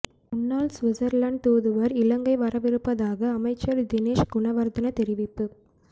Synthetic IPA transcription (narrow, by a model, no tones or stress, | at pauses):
ʊnːaːlsʋɪzɐɾlɐːɳɖ̚t̪uːðɯʋɐɾɪlɐŋɡɐɪʋɐɾɐʋɪɾɯpːɐðaːɣɐːmɐɪt͡ʃːɐɾd̪ɪneːʃɡʊɳɐʋɐɾd̪ɐnɐt̪ɛɾɪʋɪpːɯ